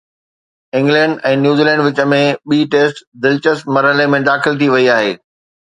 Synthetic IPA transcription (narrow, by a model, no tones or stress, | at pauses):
ɪ̃ŋɡlɛ̃ɳɖɛ̃ːnjuːziːlɛ̃ːɳɖʋɪt͡ɕəmẽɓiːʈeːsʈd̪ɪlt͡ɕəsmɐɾɦəlemẽd̪aːxɪlt̪ʰiʋɐiaːɦeː